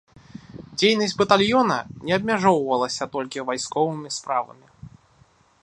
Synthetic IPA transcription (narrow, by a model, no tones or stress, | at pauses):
d͡zʲejnɐsʲd͡zʲbɐt̪alʲjɔnɐ̰nʲɛɐb̚ʲmʲaʐɔwvɐlˠɐsʲɐt̪ɔlʲkʲivajskɔvɨmʲispɾavɐ̰mʲi